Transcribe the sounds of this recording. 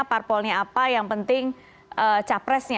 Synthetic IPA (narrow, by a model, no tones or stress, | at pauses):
parpɔlɲaapajaŋpənt̪ɪŋ | ʔət͡ʃapɾɛsɲa